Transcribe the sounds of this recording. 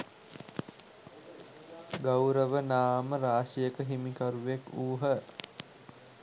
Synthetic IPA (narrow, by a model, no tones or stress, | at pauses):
ɡawɾəʋənaːməɾaːʃijəkəɦimikaɾuʋekuːɦə